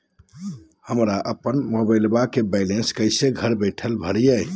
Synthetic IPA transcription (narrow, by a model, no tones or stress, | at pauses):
həmɾaʔəpənmobəɪlbakebaɪlenskəɪseɡʱəɾbəjʈʰəlbʱəɽijəj